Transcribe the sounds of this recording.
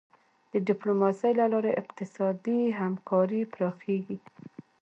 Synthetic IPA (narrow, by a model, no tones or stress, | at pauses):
d̪̥əɖɪplomɑsəjlalɑɾeʔɪqt̪ɪsɑd̪iɦamkʰɑɾipɾɑxeɡi